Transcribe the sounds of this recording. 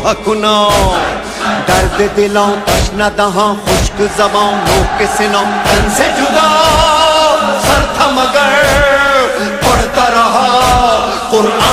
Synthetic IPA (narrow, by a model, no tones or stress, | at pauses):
ɐkʊna | d̪ɐɾd̪ed̪ɪlãːt̪ɐt͡ʃʰnad̪ɐɦãːxʊʃkzɐbãːõmoːkesɪnãːt̪ɐnsed͡ʒʊd̪a | sɐɾt̪ʰamɐɡɐɾ | pɐɽt̪aɾɐɦa | qʊɾaː